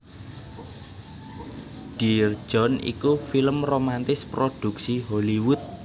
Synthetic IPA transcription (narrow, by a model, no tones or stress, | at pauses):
ɖ̥i̤r̥ʒ̥ɔ̤nḭkufiləmromant̪ɪspɾod̪̥ṳksiɦoliwʊt̪̚